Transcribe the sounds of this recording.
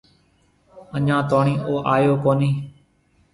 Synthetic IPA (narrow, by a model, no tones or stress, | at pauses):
əɲãːt̪oːɳĩːʔoːʔaːjoːkoːniː